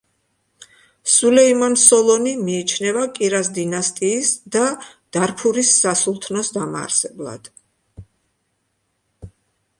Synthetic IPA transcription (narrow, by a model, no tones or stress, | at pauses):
sulɛimansɔlˠɔnimiːt͡ʃʰnɛvakʼiɾasd̪inast̪ʼiːsd̪ad̪̥aɾpʰuɾisːasulˠt̪ʰnɔsd̪ama̰ːɾsɛblˠa̰d̪̥